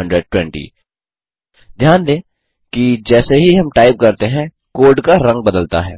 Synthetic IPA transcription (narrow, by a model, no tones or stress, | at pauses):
ə̃ɳɖɾəɖ̚ʈwɛ̃ɳʈḭː | d̪ʱjaːnd̪ẽː | kid͡ʒɛːseɦiɦɐmʈaːɪp̚kɐɾt̪eɦɛ̃ | koːɾɖkaɾɐ̃ŋɡ̚bɐd̪əlt̪a̰ɦɛ̰ː